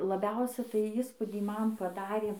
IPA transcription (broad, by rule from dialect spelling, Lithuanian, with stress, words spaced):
lˠɐˈbʲɛʊsʲɛɪ tɐɪ ˈiːspuːdʲiː ˈmɐn pɐˈdɑːrʲeː